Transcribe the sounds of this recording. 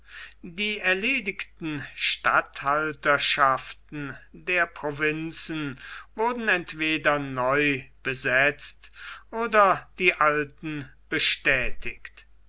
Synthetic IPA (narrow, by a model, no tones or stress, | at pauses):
diːɛɐleːdɪktn̩ʃta̰thaltɐʃaftn̩deːɐpʁ̥ovɪnt͡sn̩vʊɐdn̩ɛntv̥eːdɐnɔʏb̥əzɛt͡stʔoːdɐd̥iːʔaltn̩b̥əʃtɛːtʰɪkt